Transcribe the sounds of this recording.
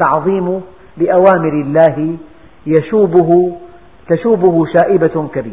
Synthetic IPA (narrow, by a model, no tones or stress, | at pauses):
t̪ɑʕðˤiːmʊ | lɪʔawaːmɪɾɪlːaːɦ | jaʃuːbɦ | t̪aʃuːbʊhʊʃaːʔɪbakabiː